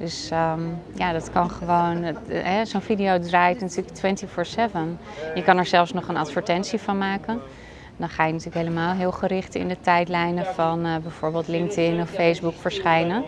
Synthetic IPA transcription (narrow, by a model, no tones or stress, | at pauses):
d̥ɵsəmjadɑtkɑnχəʋownɦɛzonfidijowdraːjtnatyːɹləktwɛntifɔːɹsɛvən | jəkɑnɛɹzɛlˠfsnɔχənɑtfəɹtɛntsifɑnmaːkən | dɑnχaːjənatyːləkɦeləmaːlˠɦɪːlˠχəɾɪχtɪ̰ndətɛjtlɛjnəfɑnbɛjv̥ʊːɹbeːlˠtlɪŋk̚tɪnɔfːejzbukfəɹsχɛjnə